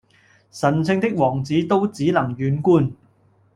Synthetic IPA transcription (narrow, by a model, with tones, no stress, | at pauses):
sɐ˨˩nt͡sʰɪ˥˧ŋt̪ɪ˥k̚wɔː˨˩ŋt͡siː˨˥t̪o˥wt͡siː˨˥nɐ˨˩ŋjyː˨˥nkuː˥˩n